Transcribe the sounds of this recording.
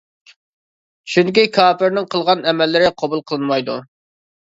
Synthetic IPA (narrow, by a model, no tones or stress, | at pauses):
ʃuŋkʲikʰɑːpɪɾnɪŋqʰəlˠʁɑnɛmɛlːɪɾɪqʰɑbulˠqʰəlˠɨnmɑjd̪u